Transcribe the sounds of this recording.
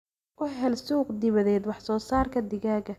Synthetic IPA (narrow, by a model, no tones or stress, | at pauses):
ʔʊɦɛlsuːqd̪ɪβɐðɛːd̪wɑħsɔːsaːrkʰɐd̪ɪɣaːɣɐ